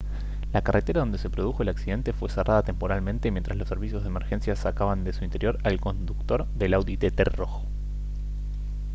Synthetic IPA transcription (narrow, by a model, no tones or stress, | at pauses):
lakarʔet̪e̞ɾaðo̞nd̪e̞se̞pɾo̞ðuxo̞elaksiðe̞nt̪efwe̞serʔaðat̪e̞mpoɾalmẽnt̪e̞mjẽnt̪ɾaslo̞se̞ɾβisjozðemeɾxe̞nsjasakaβand̪e̞suint̪e̞ɾjo̞ɾalko̞nd̪ukt̪o̞ɾðelawðit̪et̪ero̞xo